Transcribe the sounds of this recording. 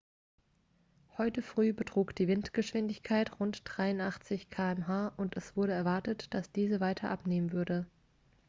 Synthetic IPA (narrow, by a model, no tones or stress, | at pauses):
hɔʏtəfʁ̥yːbətʁ̥uːkd̥iːvɪntɡ̥əʃv̥ɪndɪçkʰaɪtʁʊntd̥ʁaɪʊntʔaχt͡sɪçkʰaːɛmɦaːʔʊntɛsv̥ʊɐɾəɛɐvaɐtətd̥asd̥iːzəvaɪtʰɐ̰ʔapneːmənvʏɐdə